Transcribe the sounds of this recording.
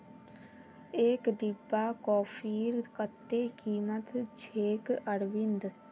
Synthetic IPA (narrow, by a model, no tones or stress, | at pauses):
eːkɖibːaːkɔːpʰiːɾkət̪ːeːkiːmət̪d͡ʒʰʱeːkəɽʋɪnd̪